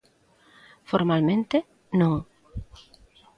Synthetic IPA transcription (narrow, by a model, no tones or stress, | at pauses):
foɾmalmẽnt̪e | nõŋ